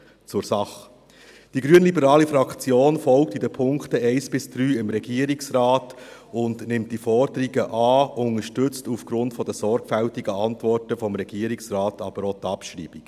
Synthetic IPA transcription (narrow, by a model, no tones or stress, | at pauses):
t͡sʊɾsɑχ | d̥iɡɾyənlibəɾɑːlifɾɑkt͡sjoːnfɔlk̚tidəpʰʊŋktəɛɪsb̥ɪsd̥ɾyːɪmɾɛɡiəɾiksɾɑːtʊndnɪmt̚d̥ifɔɾdəɾiɡəʔɑːʊŋəʃtʏt͡stufɡ̥ɾʊntfɔdəsɔɾɡ̥fæltiɡəɑntvɔɾtəfɔmɾɛɡ̥iəɾiksraːtɑb̥əɾɔt̪ɑpʃɾḭːb̥ik